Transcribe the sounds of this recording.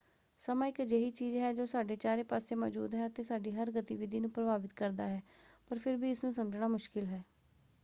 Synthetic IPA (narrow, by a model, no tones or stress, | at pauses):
səmãːɪkd͡ʒeɦiːt͡ʃiːzɦɛːd͡ʒoːsaːɖeːt͡ʃaːɾeːpaːseːmɔ̰ːd͡ʒṵːd̪ɦɛːət̪eːsaːɖiːɦəɾɡət̪iʋɪd̪ʱiːnũːpɾəbaːʋɪt̪kəɾd̪aːɦɛːpəɾpʰɪɾbiːɪsnũːsəmd͡ʒnaːmʊʃkɪlɦɛː